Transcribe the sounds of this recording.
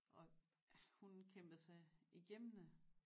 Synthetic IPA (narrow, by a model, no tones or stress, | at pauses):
ʔɒ̽ | hunkʰem̰b̥ðsɑ̈ɪiɡ̥emnə